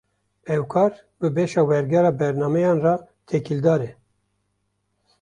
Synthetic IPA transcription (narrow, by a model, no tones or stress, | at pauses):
ɛwkʰɑːɾ | bɨbeʃɑːwɛɾɡɛɾɑːbɛɾnɑːmɛjɑːnrɑː | t̪ʰɛkild̪ɑːɾɛ